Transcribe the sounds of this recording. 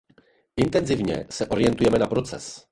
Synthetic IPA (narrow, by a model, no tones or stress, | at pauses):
int̪ɛnzɘvɲɛ̰sɛʔɔɾjɛnt̪ujɛmɘnapɾɔt̪sɛ̰s